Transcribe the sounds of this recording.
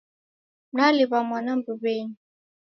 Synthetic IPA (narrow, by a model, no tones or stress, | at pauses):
m̩naliβamwanam̩buβɛɲi